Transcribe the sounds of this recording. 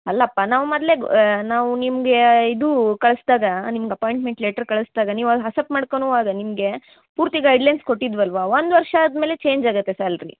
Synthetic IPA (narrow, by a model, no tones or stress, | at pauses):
ɐlːɐɐpːanaːʋmɐd̪le̞naːʋunimɐɡe̞id̪ukɐɭɐsd̪aːɡɐnimɐɡeɐpaːjɳʈmeɳʈleːʈɐɾkɐɭɐsd̪aːɡɐniːʋaɦɐsɐpmaːɽkonuːʋaːɡɐnimɐɡe̞ | puːɾt̪iɡɐjɖlɐjnsko̞ʈːid̪ʋɐlʋaʋond̪ʋɐɾʂɐːd̪me̞ːle̞t͡ʃe̞ːɲd͡ʒaːɡɐt̪ːesɐɾɐlɾḭ